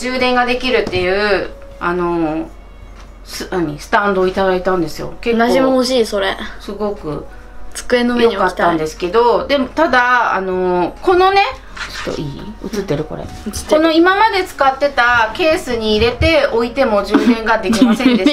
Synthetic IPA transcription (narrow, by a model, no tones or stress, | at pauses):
d͡ʑɨːd̪ẽ̞ŋɡad̪e̞kʲiɾɯ̟t̪ːe̞jɯ̟ː | ano̞ | sɨnaɲ̟isɨ̥t̪ãnd̪o̞ːit̪ad̪ait̪ãnd̪e̞sɨjo̞̰keknaʑimooɕiːso̞ɾe̞sɨɡo̞kɯ̟ | t͡sɨ̥kɯ̟enojoɲikat̪t̪ːãnd̪e̞sɨ̥ke̞d̪o̞d̪e̞mot̪ad̪a̰ːno̞ko̞no̞ne̞ | o̥t̪ːo̰iːɯ̰t͡sɨt̪ːeɾɯ̟koɾḛɯɨ̥tkːono̞imamad̪e̞t͡sɨ̥kat̪ːe̞t̪ake̞ːsɨɲ̟iːɾe̞t̪e̞o̞it̪e̞mo̞ʑɨːd̪ẽ̞ŋɡad̪e̞kʲimasend̪e